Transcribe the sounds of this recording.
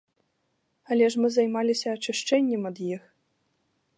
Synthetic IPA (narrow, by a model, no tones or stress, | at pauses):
ɐlʲɛʂmɨzɐjmalʲisʲɐːt͡ʂɨʂt͡ʂɛnʲːɛmɐd̪jix